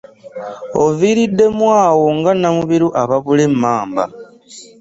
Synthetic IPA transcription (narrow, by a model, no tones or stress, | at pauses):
o̞viːɾidːe̞mwaːwo̞ŋɡanamuβiɾuʔaβaβule̞mːaːmba̰